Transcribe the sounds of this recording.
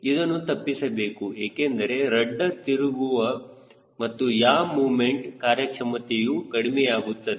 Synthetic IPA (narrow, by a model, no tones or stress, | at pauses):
id̪ɐnːut̪ɐpːisɐbeːkueːkend̪ɐɾe̞ɾɐɖːɐt̪iɾuʋuʋɐ | mɐt̪ːujaːmuːmeɳʈkaːɾjɐkʂɐmɐt̪ejukɐɽimɛjaːɡut̪ːɐd̪